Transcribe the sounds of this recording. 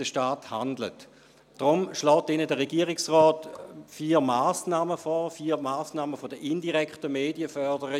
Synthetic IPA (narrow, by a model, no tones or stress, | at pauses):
d̥əʃtaːthandlə̰t | d̥ʁʊmʃlɔːt̚d̥enədəʁeɡiəʁɪksʁɔːtfiːʁmaːsnaːməfɔːfiːʁmaːsnaːməfodəʔɪndiʁɛkχtəmeːdiəfœɐdəʁə